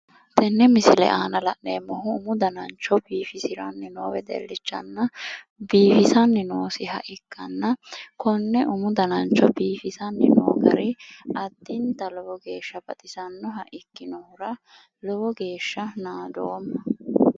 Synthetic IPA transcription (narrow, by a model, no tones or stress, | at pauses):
t̪ɛnːɛmɪsɪlɛ̰ʔaːnɐlɐʔneːmːɔhʊːmʊd̪ɐnɐnt͡ʃːɔbiːfɪsɪɾɐnːɪnoːwɛd̪ɛ̰lːɪt͡ʃːɐ̰nːɐ | biːfɪsɐnːɪnoːsɪɦɐ̰ʔɪkːɐnːɐkɔnːɛʔʊmʊd̪ɐnɐnt͡ʃːɔbiːfɪsɐnːɪno̰ːɡɐ̰ɾɪɐt̪ːɪnt̪ɐlɔwɔɡeːʃːɐbɐt̪ʼɪsɐnːɔɦɐʔɪkːɪnɔhʊɾɐ | lɔwɔɡe̞ːʃːɐnaːd̪oːmːɐ